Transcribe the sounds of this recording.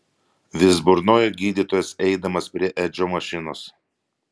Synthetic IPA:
ʋʲɪzbʊɾnoːjoɡʲiːd̪ʲiːˑt̪oːjɛsɛɪd̪ɐmɐspʲɾʲiɛʔɛd͡ʒʲoːmɐʃʲɪnoːs

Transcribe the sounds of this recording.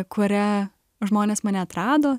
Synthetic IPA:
kʊɾʲɛ | ʒmoːnʲeːsmɑːnʲɛɐt̪ɾɑːd̪oː

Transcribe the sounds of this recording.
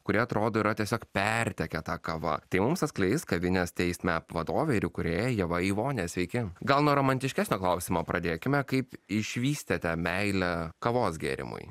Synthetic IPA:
kʊɾʲiɛɐt̪ɾoːd̪oːiɾɐt̪ʲiɛsʲoːkpʲɛɾʲt̪ʲɛkʲɛt̪ɑːkɐʋɐ̰t̪ɐɪmʊmsɐt̪sklʲɛɪskɐʋʲɪnʲɛst̪ʲɛɪsʲmʲɛpʋɐd̪oːʋʲɛɪɾʲɪkʊɾʲeːjɛjɛʋɐiːʋoːnʲesʲʋʲɛɪkʲɪɡɐlˠnuɔɾoːmɐnʲt̪ʲɪʃʲkʲæːsʲnʲoːklˠɐʊsʲɪmoːpɾʔɐd̪ʲeːkʲɪmʲɛkɐɪpɪʃʲʋʲiːsʲt̪ʲet̪ʲɛmʲɛɪlʲɛkɐʋoːsɡʲḛːɾʲɪ̰mʊ̰ɪ

